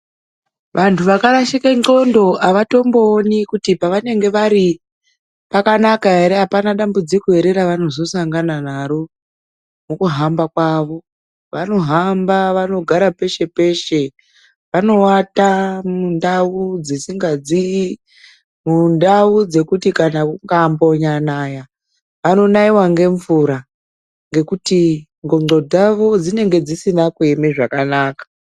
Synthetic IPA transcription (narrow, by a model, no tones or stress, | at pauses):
ʋʔantʰuʋakaɾaʃikaŋ͡ǃo̞ndo̞ʔaʋato̞mbo̞ːnikutipaʋane̞ŋɡe̞ʋaɾi | pakanakaɦe̞ɾe̞ɦapanaɗambud͡zikue̞ɾe̞ɾaʋano̞zo̞saŋɡananaɾo̞ | mukuɦambakwaʋo̞ | ʋano̞ɦambaʋano̞ɡʱaɾape̞ʃe̞pe̞ʃe̞ | ʋano̞watamundaud͡zisiŋɡad͡zi | mundaud͡ze̞kutikanakuŋɡambo̞ɲanaja | ʋano̞naiwaŋɡe̞ɱvuɾa | ŋɡe̞kuti | ŋɡo̞ŋ͡ǀo̞d͡zaʋo̞d͡zine̞ŋɡe̞d͡zisinakuemeʐakanaːkḁ